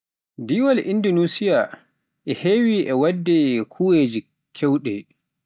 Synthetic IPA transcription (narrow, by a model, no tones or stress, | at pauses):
diwalʔindɔnuːsija | ʔɛheːwiʔɛwadːɛkʰuweːd͡ʒi | kʰɛwɗɛ